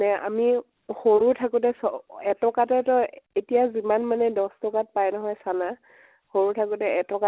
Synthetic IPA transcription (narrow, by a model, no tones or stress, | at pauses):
nɛa̰mi | xoɹutʰakutɛsɔɛtɔkatɛtɔetijazimanmanɛdɔstɔkat̚pajnɔɦɔjsana | xoɹutʰakutɛɛtɔka